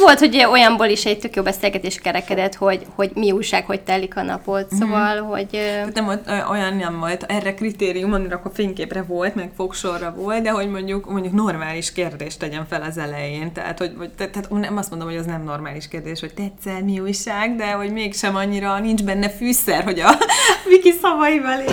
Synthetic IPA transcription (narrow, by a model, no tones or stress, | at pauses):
vo̞lt̪ho̞ɟo̞jɒmboːliʃɛɟ̚t̪økjoːbɛseːlɡɛt̪eːʃkɛɾɛkɛd̪ɛt̪ho̞ɟho̞ɟmiuːjʃaːkho̞c̚t̪ɛlːikɒnɒ̰pot̪soːvɒlɦo̞̰ɟ̪at̪nɛmvolt̪øʔo̞jɒnɛmvolt̪ɛrːɛkrit̪eːɾijumɒmiɾɛkːofeːŋkeːprɛvo̞lt̪mɛkfokʃo̞rːɒvolt̪d̪ɛɦo̞ɟmo̞ɲɟukmo̞ɲɟukno̞rmaːliʃkeːrd̪eːʃt̪ɛɟɛɱfɛlɒzɛlɛjeːnt̪ɛ̰ɦa̰t̪ho̞ɟot̪ɛt̪ːaːt̪nɛmɒst̪mo̞nd̪omhoɛznɛmno̞rmaːliʃkeːrd̪eːʃho̞c̚t̪ɛɛsɛrmiuːjʃaːɡd̪ɛɦo̞ɟmeːkʃɛmɒɲːiɾɒnind͡ʒbɛnːɛfyːsɛrɦo̞ɟɒvikisɒvɒjivɒle